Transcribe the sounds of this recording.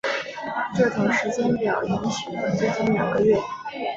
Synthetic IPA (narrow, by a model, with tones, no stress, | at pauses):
ʈ͡ʂɤ˥˩ʈ͡ʂʰʊ˧˥ŋʂɻ̩˧˥t͡ɕjɛ˥npjɑ̰˨˩ʊi˧˥nʂ̩˧˩˧t͡sʊt͡ɕi˥ŋljɑ̰˨˩ŋɡə˦ɥɛ˥˩